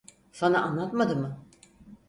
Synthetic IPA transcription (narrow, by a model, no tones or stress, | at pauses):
sanaʔanlˠat̪mad̪ɯmɯ